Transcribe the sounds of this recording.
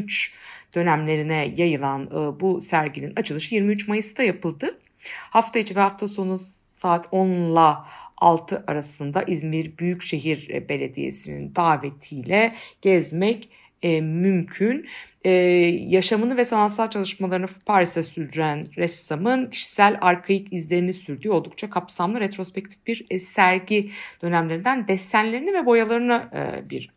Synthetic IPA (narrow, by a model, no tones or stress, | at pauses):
yt͡ʃd̪̥ø̞næmlʲe̞ɾinɛjajɯlˠanɯbusæɾɟininat͡ʃʰɯlˠɯʃɯjiɾmiyt͡ʃmajɯsd̪ajapɯlˠd̪ɯ | haft̪ʰajit͡ʃʰivɛhaft̪ʰaso̞nusaːt̪ʰo̞nlˠaalˠt̪ʰɯʔaɾasɯnd̪aʔizmiɾbyjycʃe̞ɦiɾbe̞lʲe̞d̪ḭjḛsinḭnd̪aːve̞t̪ʰijlʲɛɟ̥ɛzmɛcː | mymcʰynɛjaʃamɯnɯvɛsanat̪salˠt͡ʃʰalˠɯʃmalˠaɾɯnɯpʰaɾisasyɾd̪yɾænɾɛst̪amɯncʰi̥ʃi̥sælʲaɾkʰajɯkizlʲe̞ɾinisyɾd̪yːo̞lˠd̪ukt͡ʃʰakʰapsamlˠɯɾet̪ɾo̞spɛc̚t̪ʰifbiɾsæɾɟid̪̥ø̞næmlʲeɾind̪ænd̪ɛst̪ːænlʲe̞ɾinivɛbo̞jalˠaɾɯna̰biɾ